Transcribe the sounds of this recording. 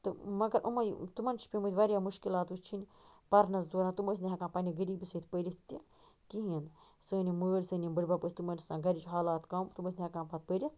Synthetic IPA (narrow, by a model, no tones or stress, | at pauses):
t̪ɨmɐɡɐɾʔɐ̰mɐjt̪umɐnt͡ʃʰi̥pʲimət̪ʲʋaɾʲjaːmuʃkilaːt̪ust͡ʃʰinʲ | pɐɾnɐsd̪oːɾaːnt̪uməːs̬nʲɦʲɐkãːpɐnʲiɡɐɾiːbɨsəːt̪pəɾʲit̪ʲːi | kiɦin | səːnʲiməːlʲsɨːnʲimbɨɾʲbɐpəsʲt̪umɐnsãːɡɐɾit͡ʃɦaːlaːt̪kaːmt̪uməːsʲnʲhɐkaːnpat̪̚pəɾʲit̪